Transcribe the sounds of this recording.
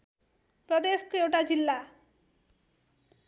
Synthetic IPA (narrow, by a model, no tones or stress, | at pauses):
pɾɔd̪eskewʈad͡ʑilːa